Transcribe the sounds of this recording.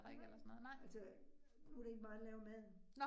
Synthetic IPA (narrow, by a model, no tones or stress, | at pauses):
elɐsɔnoːð̩ɑælsənuɾee̝ɡ̥əmɑ̈ːlɛːʊɐmæð̰ˠn